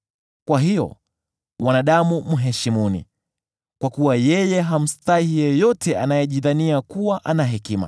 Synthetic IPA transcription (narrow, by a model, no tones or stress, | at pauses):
kwaɦijɔ̰ | mwanaɗamum̩ɦɛʃimunḭ | kwakuwajɛjɛɦam̩stahijɛjɔtɛʔa̰najɛʄiðaniakuwaʔanaɦɛkima̰